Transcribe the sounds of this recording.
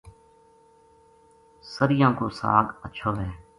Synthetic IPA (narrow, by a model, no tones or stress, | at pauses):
səɾɪjãːkoːsa̰ːɡəːʃʰoːʋɛː